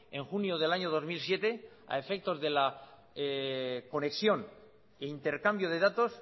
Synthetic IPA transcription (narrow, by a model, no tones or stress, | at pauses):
eŋxunjoðe̞laɲoð̞o̞zmilsje̞t̪e̞ | a̰e̞fe̞k̚t̪o̞zðe̞la | ko̞neksjo̞n | eint̪e̞ɾkambjo̞ð̞e̞ðat̪o̞s